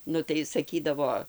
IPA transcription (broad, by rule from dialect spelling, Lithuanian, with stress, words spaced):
ˈnʊ tɐɪ sɐˈkʲiːdɐʋoː